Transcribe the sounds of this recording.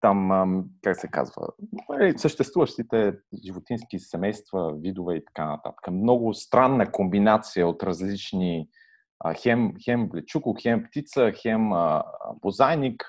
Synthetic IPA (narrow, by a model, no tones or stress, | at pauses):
t̪amkaksɛka̰zvə̰ɛsəʃt̪ɛst̪vuvəʃt̪it̪ɛʒivot̪inskisɛmɛjst̪vəvid̪ʊvɛit̪ɐ̥kanɐ̰t̪a̰t̪ə̥kəmnɔɡʊst̪ɾanːəkombinat̪sijəot̪ɾɐzlit͡ʃni | əxɛmxɛmblɛt͡ʃukʊxɛmpt̪it̪səxɛməbozajnik